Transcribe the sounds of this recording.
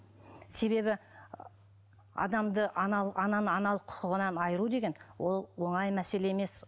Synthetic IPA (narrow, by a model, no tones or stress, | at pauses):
se̞βe̞βɪ | ɑ̰d̪ɑmd̪əʔɑnɑʔɑnɑnəɑnɑlˠəqʰʊ̥qəʁənɑnɑjəɾud̪e̞ɡʲe̞nwo̞lˠwo̞ɴɑjmæse̞le̞eme̞s